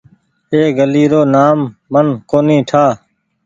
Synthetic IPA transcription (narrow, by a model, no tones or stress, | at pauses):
eːɡəliːɾoːnaːmːənkoːnĩːʈʰaː